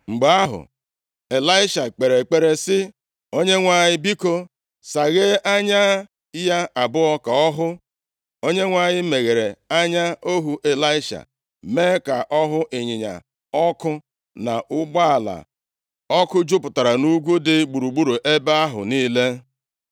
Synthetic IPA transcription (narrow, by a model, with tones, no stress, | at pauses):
ŋ͡m̩˨ɡ͡ba˨˦a˦ɦʊ̰˨ | e˨la˦ɪ˦ʃa˨k͡pe˨ɾe˨k͡pe˨ɾe˨sɪ˦ | o˦ɲe˦ŋʷa˦ɲɪ˦bi˦ko˦ | sa˨ɣe˦ʔa˦ɲa˦ | ja˦a˨bʊ˦ɔ˦ka˨ɔ˦ɦʊ˦ | o˦ɲe˦ŋʷa˦˨ɲɪ˦me˨ɣe˨ɾe˨a˦ɲa˦o˦ɦu˨ʔe˨la˦ɪ˦ʃa̰˨ | me˦ka˨ʔɔ˦ɦʊ˦ʔɪ˨ɲɪ˨ɲa̰˨ | ɔ˦kʊ˦ | na˨ʔʊ˦ɡ͡ba˦a˨la̰˨ | ɔ˦kʊ˦d͡ʒʊ˦pʊ˨ta˨ɾa˨nu˦ɡʷu˦dɪ˦ɡ͡bu˨ɾu˨ɡ͡bu˦ɾu˨ʔe˦ba˦a˦ɦʊ̰˨niː˦le˦